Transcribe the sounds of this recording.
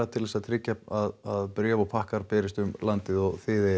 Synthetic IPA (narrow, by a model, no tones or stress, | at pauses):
at̪ʰɪlðɛsaðt̪ʰɾɪcːaaðaðpɾjœvawpʰahkaɾpɛːɾɪst̪ʏmlant̪ɪðɔɣθɪːðɪ